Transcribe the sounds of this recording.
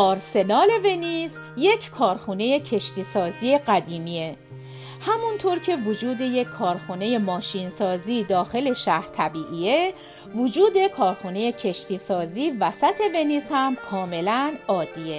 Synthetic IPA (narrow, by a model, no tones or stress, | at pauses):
ɒːɾse̞nɒːle̞ve̞niz | je̞cʰkʰɒːɾxune̞jecʰe̞ʃt̪iːsɒːziːeɢæd̪iːmie | hæmunt̪ʰoɾcʰe̞vod͡ʒuːd̪e̞je̞kʰːɒːɾxune̞je̞mɒːʃiːnsɒːziːd̪ɒːxe̞le̞ʃæhɾt̪ʰæbiːʔiːe | vod͡ʒuːd̪ekʰɒːɾxune̞je̞cʰe̞ʃt̪ʰiːsɒːziːvæsæt̪ʰe̞ve̞nizhæmkʰɒːme̞lænɒːd̪ːiːe